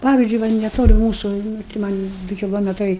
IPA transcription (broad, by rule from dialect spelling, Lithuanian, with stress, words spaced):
ˈpɑːʋʲɪzd͡ʒʊɪ ˈʋɐ nʲɛˈtoːlʲɪ ˈmuːsʊ ˈnʊ tʲɪ ˈmɐnʲ ˈdʊ kʲɪˈlˠoːmʲɛtrɐɪ